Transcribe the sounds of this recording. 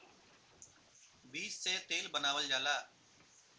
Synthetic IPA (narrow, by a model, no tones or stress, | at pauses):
biːsseːt̪eːlbənaːʋəld͡ʒaːlaː